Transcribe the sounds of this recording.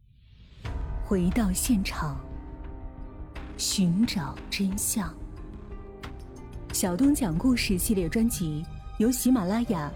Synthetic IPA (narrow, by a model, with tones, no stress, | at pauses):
xwe˧˥ɪt̪ɑ˥˧ʊɕjɛ˥˩nʈ͡ʂʰɑ˨˩˦ŋ | ɕy˧˥nʈ͡ʂɑ˨˩ʊʈ͡ʂə˥nɕjɑ˥˩ŋ | ɕjɑ˨˩ʊt̪ʊ˥ŋt͡ɕjɑ˨˩ŋku˥˧ʂɻ̩˥˧ɕi˥˧ljɛ˥˩ʈ͡ʂwa˥nt͡ɕi˧˥jo˧˥ʊɕi˧˥ma˨˩la˥ja˥˩